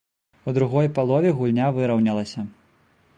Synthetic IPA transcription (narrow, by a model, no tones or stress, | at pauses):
ud̪ɾuɣɔjpalˠɔvʲiɣulʲnʲavɨɾɐwnʲɐlˠɐsʲɐ